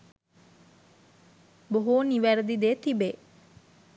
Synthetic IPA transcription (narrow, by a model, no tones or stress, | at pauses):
boɦuniʋæɾəd̪id̪eːt̪ibe